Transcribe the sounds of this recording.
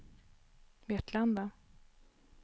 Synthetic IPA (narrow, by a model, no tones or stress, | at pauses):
vɪɛt̪ʰland̪va